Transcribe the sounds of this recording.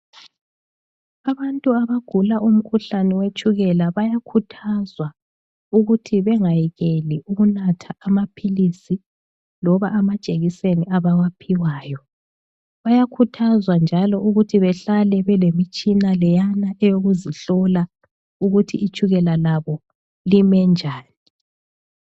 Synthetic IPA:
aβantʼuaβaɡ̥ʱulaʔum̩kʰuɬanɛwet͡ʃʼuɣɛlaβajakʰutʰazwa | uɣutʰiβɛŋajiɣeliʔuɣunatʰaːmapʰilisi | lɔβaʔːmad̥ʒ̥ʼʱeɣiseniʔaβawapʰiwaːjɔ | βajakʰutʰazwand͡ʒʱalɔuɣutʰiβɛɬalɛβɛlemit͡ʃʼinalɛjanaʔɛjoɣuziɬɔla | uɣutʰḭit͡ʃʼuɣɛlalaβɔ | limɛnd͡ʒʱaːni

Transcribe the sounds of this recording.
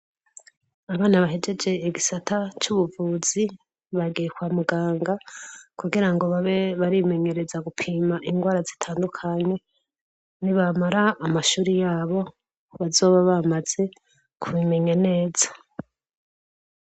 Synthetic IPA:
aβaːnaβaɦe̞d͡ʒe̞d͡ʒe̞iɡisatʰat͡ʃuβuvuːz̥i | βaɡijekwaːmuɡaːŋɡakuɡiɾaŋɡo̞βaβeβaɾime̞ɲe̞ɾe̞zaɡupʰiːmaʔiŋɡwaːɾazitʰaːndukʰaɲe̞ | niβamaɾaːmaʃuːɾijaːβo̞ | βazo̞ːβaβamaz̥e̞ | kʰuβime̞ɲane̞ːz̥ḁ

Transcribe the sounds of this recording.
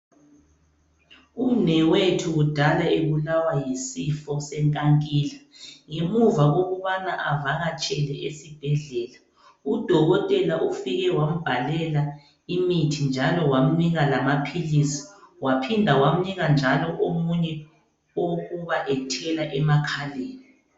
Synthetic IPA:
unɛwetʰuɣud̥ʱalaeβulawajisifɔsɛŋkʼaŋkʼilaŋemuvaɣoɣuβanaʔavaɣat͡ʃʼɛlɛʔesib̥ʱɛɮɛːla | ud̥ʱɔɣɔtʼɛlaʔufiɣɛwam̩b̥ʱalɛla | imitʰind͡ʒʱalɔwam̩niɣalamapʰilisi̥wapʰindʱawam̩niɣand͡ʒʱalɔʔomuɲɛ | oɣuβaʔɛtʰɛlaʔɛmakʰaleːni

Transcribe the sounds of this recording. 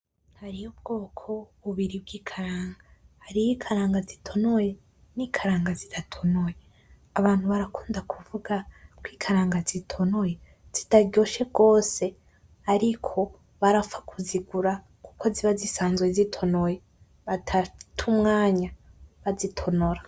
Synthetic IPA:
haɾijob̚ɡo̞ːkʰo̞βuβiɾib̚ɡiːkʰaɾaːŋɡahːɾijikʰaɾaːŋɡazitʰo̞noje̞ | nikʰaɾaːŋɡazidatʰonoje | aβaːn̥huβaɾakuːndakʰuvuɡakwiːkʰaɾaːŋɡazitʰo̞noje | z̥itaɡɟo̞ːʃe̞ɡo̞ːse̞ | aɾikʰo̞ | βaɾafakʰuziɡuɾa | ku̥kʰo̞ziβazisaːnzɡezitʰo̞noje | βatʰatʰumŋaːɲaβazitʰo̞noɾa

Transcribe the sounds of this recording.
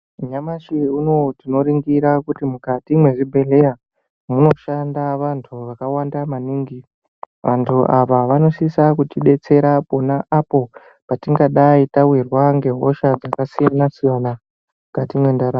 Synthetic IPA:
ɲamaʃiuno̞tino̞ɾiŋɡiɾakutimukatimwe̞ʐibʱe̞leja | muno̞ʃandaʋantʰuʋakawandamaniːŋɡi | ʋʔantʰuʔaʋaʋano̞sisakutiɗe̞t͡se̞ɾapo̞naʔapo̞ | patiŋɡaɗaitawirwaŋɡe̞ɦo̞ʃad͡zakasijanasijana | mukatimwe̞ndaɾa

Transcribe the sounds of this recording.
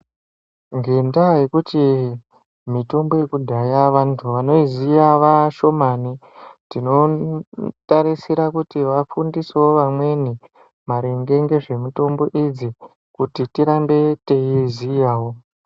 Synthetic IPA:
ŋɡe̞ndajekuti | mito̞mbojekudʱajaʋantʰuʋano̞izijaʋaʃo̞mani | tino̞ | taɾisiɾakutiʋafundiseo̞ʋamwe̞ni | maɾeŋɡe̞ŋɡe̞ʐe̞mito̞mbo̞ʔid͡zi | kutitiɾambe̞tejizijaːwo̞

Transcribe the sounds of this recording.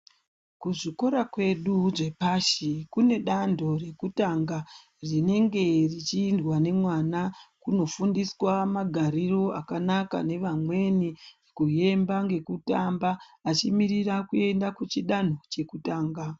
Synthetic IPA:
kuʐiko̞ɾakwe̞ɗuʐe̞paʃikune̞ɗando̞re̞kutaŋɡa | rine̞ŋɡe̞rit͡ʃiːndwane̞mwanakuno̞fundiswamaɡʱaɾiro̞akanaka̰ne̞ʋamwe̞nirikuje̞mbaŋɡe̞kutambaːt͡ʃimiɾirakue̞ndakut͡ʃiɗan̤o̞t͡ʃe̞kutaːŋɡa

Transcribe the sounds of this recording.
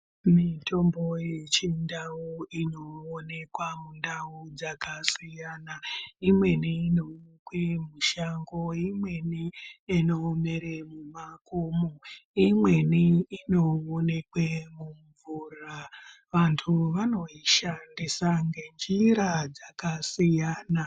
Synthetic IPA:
mitʰo̞mbo̞jet͡ʃindauino̞one̞kwamundaud͡zakasijanaimwe̞niino̞kwemuʃaŋɡo̞imwe̞niino̞me̞ɾemumakomoimwe̞niino̞one̞kwemuɱvura | ʋantʰuʋano̞iʃandisaŋɡe̞nd͡ʒiɾad͡zakasijaːna

